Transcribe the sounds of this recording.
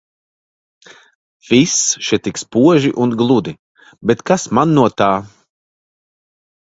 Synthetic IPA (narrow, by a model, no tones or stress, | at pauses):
visʃɛt̪ikspuɔʒiʔunɡlˠud̪i | bɛt̪kasmanːuɔt̪aː